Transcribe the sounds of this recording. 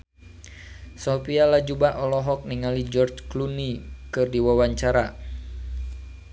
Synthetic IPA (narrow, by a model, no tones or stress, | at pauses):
sopialad͡ʒubaʔɔlɔɦɔk̚niŋalid͡ʒɔrt͡ʃklunikɨrdiwawaɲt͡ʃaɾa